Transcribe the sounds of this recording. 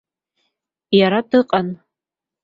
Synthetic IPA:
jaɾadɨqʼan

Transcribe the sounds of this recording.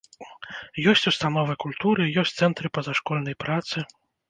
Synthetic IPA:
jɔsʲt͡sʲust̪anɔvɨkulʲt̪uɾɨjɔsʲt̪sɛnt̪ɾɨpɐzaʂkɔlʲnɐjpɾat̪sɨ

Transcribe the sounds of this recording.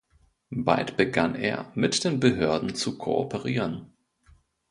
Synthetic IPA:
ba̰ltb̥əɡanʔḛːɐmɪtd̥eːnbəɦøɐdn̩t͡sukʰo̰ʔo̰pʰəʁiːʁən

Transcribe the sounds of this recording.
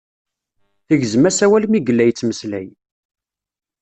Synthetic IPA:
θiʝzəmæsæwælmiɡəlːæjt͡sːməslæj

